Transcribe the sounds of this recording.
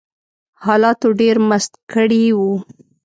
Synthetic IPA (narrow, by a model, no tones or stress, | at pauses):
hɑlɑt̪oɖeɾmast̪kəɽiwu